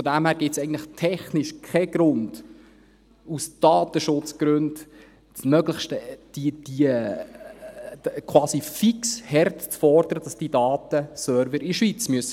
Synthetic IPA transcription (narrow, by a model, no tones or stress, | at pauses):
fɔdæmhæːɾɡɪtsɛɪɡən̩tləχtʰɛχnɪʃkʰɛɡ̥ɾʊnd̥ | usd̥ɑːt̪əʃʊt͡sɡ̥ɾʉnd̥ | smœɡləχʃtəd̥id̥i | kʰwɑːsifikshɛrtt͡sfɔrd̥əɾəd̥ɑsd̥idɑːt̪əsœɾvəɾiʃʋit͡smyəs